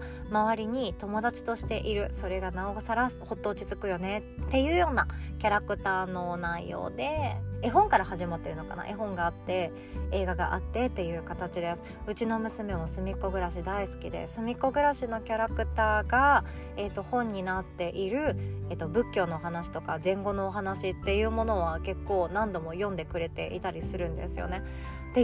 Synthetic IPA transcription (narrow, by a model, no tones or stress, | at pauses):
maβaɾʲiɲ̟it̪o̞mo̞d̪at͡ɕi̥t̪o̞ɕi̥t̪e̞ʔiɾɯ̟so̞ɾe̞ɡanaosaɾasɨ̥ho̞t̪ːo̞ːt͡ɕit͡sɨkɯ̟jo̞ne̞t̪ːe̞jɯ̟ːjo̞ːnakʲaɾakɯ̟t̪aːno̞naijo̞̰ːd̪e̞eɦõ̞ŋkaɾahaʑimat̪ːe̞ɾɯ̟no̞ka̰na̰ʔeɦõ̞ŋɡaːt̪ːe̞ | e̞ːɡaɡa̰ʔa̰t̪ːe̞t̪ːe̞jɯ̟ːkat̪at͡ɕid̪e̞sɨ̥ | ɯ̟t͡ɕino̞mɯ̟sɨme̞masɨmʲiko̞ɡɯ̟ɾaɕid̪aisɨ̥kʲid̪ḛsɨmʲiko̞ɡɯ̟ɾaɕino̞kʲaɾakɯ̟t̪aːɡa | et̪ːo̞hõ̞ɲ̟ːinat̪ːe̞ʔiɾɯ̟et̪ːo̞bɯ̟kʲːo̞ːno̞ːɦanaɕi̥t̪o̞kazẽ̞ŋɡo̞no̞ːɦanaɕit̪ːe̞jɯ̟ːmo̞no̞βake̞kːo̞ːnãnd̪o̞mo̞jõ̞nd̪e̞kɯ̟ɾe̞t̪e̞ʔḭt̪aɾʲisɨɾɯ̟̃nd̪e̞̰sɨjo̞̰ne̞ | t̪e